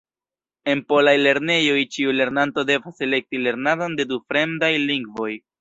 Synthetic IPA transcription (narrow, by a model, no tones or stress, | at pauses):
e̞npo̞lajle̞ɾne̞jo̞jt͡ʃiule̞ɾnanto̞de̞vase̞le̞k̚tile̞ɾnadonde̞dufɾe̞mdajliŋɡvo̞j